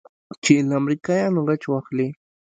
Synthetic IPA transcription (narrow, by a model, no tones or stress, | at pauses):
t͡ʃɪlamɾɪkajanoɾat͡ʃwɑχlɪ